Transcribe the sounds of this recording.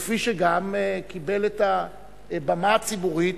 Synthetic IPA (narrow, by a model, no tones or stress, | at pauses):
fiʃeɡamkibe̞leta | bamat͡sibuʁit